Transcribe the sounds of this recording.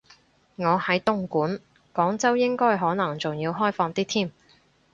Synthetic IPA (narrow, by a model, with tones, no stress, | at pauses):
ŋɔː˨˧hɐ˨˥jt̪ʊ˥ŋkuː˨˥n | kɔː˨˥ŋt͡sɐ˥wjɪ˥ŋkɔː˥jɦɔː˨˥nɐ˨˩ŋt͡sʊ˨ŋjiː˧wɦɔː˥jfɔː˧ŋt̪iː˥t̪ʰiː˥m